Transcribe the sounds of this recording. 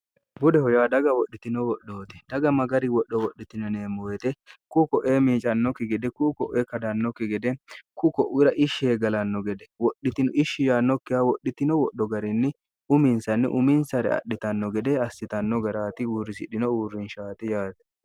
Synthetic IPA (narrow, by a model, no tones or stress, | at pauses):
bʊd̪ɛhɔjaːd̪ɐɡɐwɔɗːɪt̪ɪnɔwɔɗːoːt̪ɛ̥d̪ɐɡɐmɐɡɐɾɪwɔɗːɔwɔɗːɪt̪ɪnɛneːmojɛt̪ɛkʊkɔʔeːmiːt͡ʃʼɐnːɔkːɪɡɛd̪ɛkʊkɔʔeːkɐd̪ɐnːɔkːɪɡɛd̪ɛkʊkɔʔʊɾɐʔɪʃːeːɡɐlɐnːɔɡɛd̪ɛwɔɗːɪt̪ɪnʊʔɪʃːɪjaːnːɔkːɪhɐwɔɗːɪt̪ɪnɔwɔɗːɔɡɐɾɪnːɪ | ʊmɪnsɐnːɪ̰ʔʊmɪnsɐɾɛ̰ɐ̰ɗɪt̪ɐnːɔɡɛd̪ɛɐsːɪt̪ɐnːɔɡɐɾaːt̪ɪuːrɪsɪɗɪnɔuːrːɪnʃaːt̪ɛjaːt̪ɛ̥